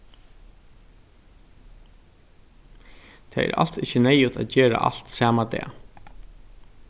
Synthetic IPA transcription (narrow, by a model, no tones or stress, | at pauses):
t̪ʰa̰ɛ̰ɾʔa̰l̥sɪhçənɛjʊt̪ʰaðt͡ɕeːɾa̰ʔa̰l̥t̪sæːmad̪ɛ̰ː